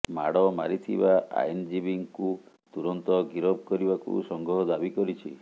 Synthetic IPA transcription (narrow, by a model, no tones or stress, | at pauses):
maɽɔma̰ɾit̪ʰḭbaa̰jnd͡ʒibiŋku | t̪uɾɔnt̪ɔɡiɾɔb̚kɔɾibakṵsɔŋɡʱɾɔɦɔd̪abikɔɾit͡ʃʰi